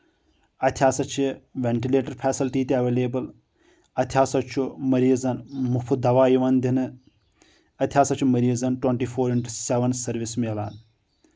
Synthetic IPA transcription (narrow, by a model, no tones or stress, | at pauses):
ɐt̪ʰjaːsɐt͡ʃʰiʋeɳʈileːʈɐɾpʰɛːsilʈiːt̪iɐʋeːleːbɨl | ɐt̪ʰjaːsɐt͡ʃʰumɐɾiːzɐnmupʰud̪ɐʋaːjiʋɐnd̪inɨ | ɐt̪ʰjaːsɐt͡ʃʰumɐɾiːzɐnʈwɐɳʈiːfʰoːɾiɳʈsɛʋɐnsɐɾʋismeːla̰ːn